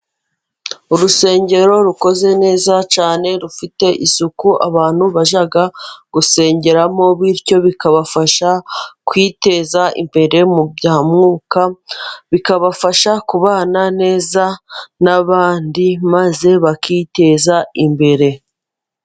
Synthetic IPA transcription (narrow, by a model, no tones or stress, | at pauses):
uɾuse̞ːɲɟe̞ɾo̞ɾuko̞ze̞ne̞ːzat͡ʃaːne̞ɾufite̞ʔisukuʔaβaːn̥huβaʒaɡaɡ̥use̞ːɲɟe̞ɾamo̞βiɾco̞βikaβafaʃakwiːte̞ːzaʔḭmbe̞ɾe̞mubɟaːmŋuːkaβikaβafaʃakuβaːnane̞ːzanaβaːndimaze̞βakiːte̞ːzaimbe̞ɾe̞